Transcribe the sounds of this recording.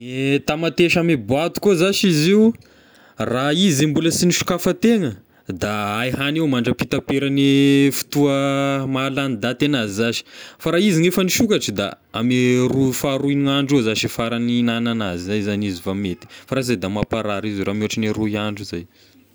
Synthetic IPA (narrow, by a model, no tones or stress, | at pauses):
et̪amat̪eʃamebuat̪u̥kozaʃiziw | raizimbuləsiniʃu̥kafət̪eŋə | d̪aajhanewmaɳɖ͡ʐəpit̪apeɾanifu̥t̪uəmalanid̪at̪enazizaʃi̥faɾaiziŋefəniʃukaʈ͡ʂəd̪a̰ | amerufaɾuiŋaɳɖ͡ʐezaʃifaɾaninananazizajzanizivamet̪i̥faɾaizajd̪amapaɾaɾizuɾamoaʈ͡ʂineɾuiaɳɖ͡ʐizaj